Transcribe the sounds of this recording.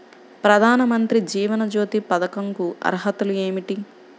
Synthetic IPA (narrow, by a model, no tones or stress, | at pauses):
pɾɐd̪ʱaːnɐmɐnt̪ɾid͡ʒiːʋɐnɐd͡ʒo̞ːt̪ipɐd̪ɐkɐŋkuʔɐ̰ɾɦɐt̪ulueːmiʈi